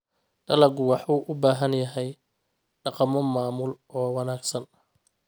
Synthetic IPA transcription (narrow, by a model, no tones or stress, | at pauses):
ɖ̥ɐlɐɡʊwɑħuːʔʊbaːɦɐnjɐɦɛj | ɖɑqɑmɔmaːmʊlʔɔːwɑnaːɡsɐn